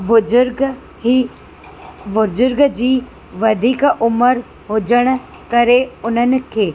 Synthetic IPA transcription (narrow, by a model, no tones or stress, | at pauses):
bʊd͡ʒʊɾɡ | i | bʊd͡ʒʊɾɡd͡ʒiː | ʋəd̪ʱikʔʊməɾ | ɦod͡ʒəɽ̃ | kəɾeʊnənke